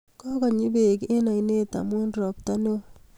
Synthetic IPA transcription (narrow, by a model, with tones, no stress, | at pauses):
kɔ˦kɔ˨ɲi˦be˨ke˦na˨i˨ne˦ta̰˨mwo˦nɾɔ˨p̚ta˦no˦